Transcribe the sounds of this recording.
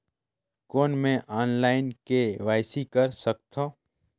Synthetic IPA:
koːnmẽʔaːnlaːɪnkeʋaːɪsikəɾsək̚t̪ʰõː

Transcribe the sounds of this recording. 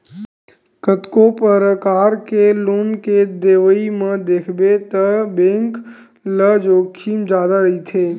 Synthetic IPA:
kət̪kopəɾkaːɾkelʊːnked̪eːʋəimə̃d̪eːkʰbet̪əbẽːŋk | ləd͡ʒoːkʰiːmd͡ʒjaːd̪aɾəit̪ʰeː

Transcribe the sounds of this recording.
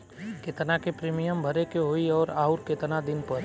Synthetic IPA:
kɪt̪nakepɾeːmɪjəmbʱəɾekeɦoːiɔːɾaːʊɾkɪt̪nad̪ɪnpɐɾ

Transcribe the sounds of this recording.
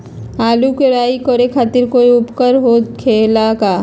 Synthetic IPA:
aːlukeɾaːikoɾekʰaːt̪ɪɾkoːiʊpkəɾɦokʰeːlakaː

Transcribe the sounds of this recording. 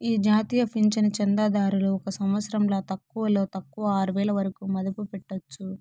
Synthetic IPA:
iːd͡ʒaːt̪iːjɐpʰiɲt͡ʃɐnɐt͡ʃɛnd̪aːd̪aːɾuluɔkɐsɐmʋɐt̪sɐɾɐmloːt̪ɐkːuʋɐlo̞ːt̪ɐkːuʋɐaːɾuʋɛːɭɐʋɐɾɐkuːmɐd̪ɐpupɛʈːot͡ʃːu

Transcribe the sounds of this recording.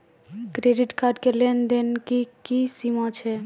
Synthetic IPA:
kɾeɖiʈkaɾɖkelend̪enkikisimãt͡ʃʰɛ

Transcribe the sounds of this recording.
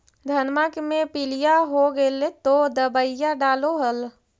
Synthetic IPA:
d̪ʱənmakmepilijaɦoɡelet̪od̪əbəɪjaɖaːloɦəl

